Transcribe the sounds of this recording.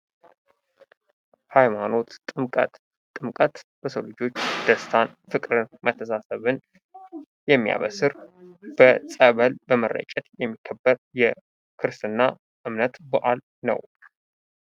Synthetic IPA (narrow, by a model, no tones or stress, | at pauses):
hajmano̞t̪ʼɨmkʼət̪ | t̪ʼːɨmkʼət̪b̥əsowlɨd͡ʒo̞t͡ʃːd̪̥əst̪ʰanfɨkʼɾɨnmət̪ʰːəsasəβɨn | jɛmːija̰βəsɨɾb̥əsʼəβəlbəmərːə̰t͡ʃʼɛt̪jɛmːikʰːəbːəɾjɛ | kʰɨɾsɨnːa | ʔɨmnət̪bəʔal | nə̰w